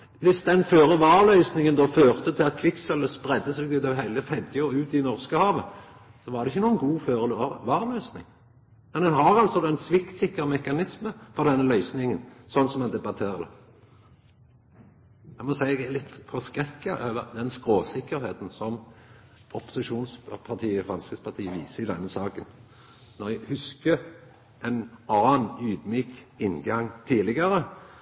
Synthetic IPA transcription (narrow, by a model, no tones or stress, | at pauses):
ʋɪsd̪ɛnføːɾəʋɑːɾlœʏsnɪŋənd̪oːføːʁt̪ət̪ʰɪlɑkʰʋɪksɛləspʁɛd̪ːəseːɡ̪ʉd̪ɔɦæɪləfɛd̪jʊʉːt̪ɪnɔʁskəhɑːʋə | sɔʋɑːɾd̪ɛɪçːənuːənɡuːføːɾəʋɑːʁlœʏsnɪ̰ŋ | mɛnd̪ɛnɦɑʁɑlsɔd̪oːɛnsʋɪkt̪sɪkːəmɛkɑnɪsməfɔʁd̪ɛnːəlœʏsnɪŋənsɔnːsɔmɛnd̪ɛbɑt̪ʰeːʁəd̪ə̰ | mɛnmɔsæɪælɪt̪ːfɔskʁɛkːəʔøːʋəd̪ɛnskʁoːsɪkːəɾheːt̪n̩sɔm | ɔpʊ̥sɪʃuːnspʰɑt̪ʰiːəɪfʁɑnskəspʰɑʁt̪ʰiːəʋiːsəɪd̪ɛnːəsɑːkən | nɔʁjæhʉskə | ʔɛnɑːnnyːd̪myːkɪnɡɑŋt̪ʰiːlɪɡəɾə